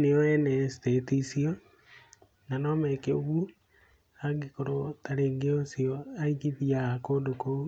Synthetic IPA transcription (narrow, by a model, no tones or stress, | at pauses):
neɔɛnɛstetisiɔ | nanɔmɛkeo̰βu | aɡekoɾotaɾeːŋɡeosiɔaiɣiðiakoːndokou